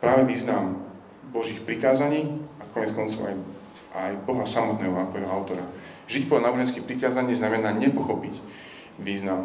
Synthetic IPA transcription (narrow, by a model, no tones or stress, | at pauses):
pɾaːʋɛʋiːznam | bɔʒiːxpɾikaːzaɲiːakɔɲɛt͡skɔnt͡sɔʊa̰j | ʔajbɔɦasamɔt̪nɛːɦɔakɔjɛɦɔaʊt̪ɔɾa | ʒicpɔanaːbɔʒɛnskixpɾikaːzaɲiːznamɛnaːɲɛpɔxɔpic | ʋiːznam